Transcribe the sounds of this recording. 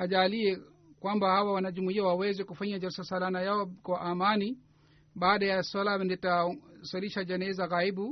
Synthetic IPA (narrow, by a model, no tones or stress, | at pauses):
aʄaliɛ | kwambahawawanad͡ʒumuiawawɛzɛkufaɲad͡ʒaɾisalsalanajaɔkwaʔamani | ɓaːɗajasalamɛndɛtasɔliʃad͡ʒɛnɛzaɣaibu